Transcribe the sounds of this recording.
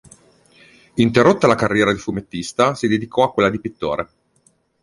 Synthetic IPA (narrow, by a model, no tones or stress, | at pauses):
int̪erot̪ːalakarːjɛːɾad̪ifumet̪ːist̪asid̪ed̪ikɔakːwelːad̪ipit̪ːo̰ːɾe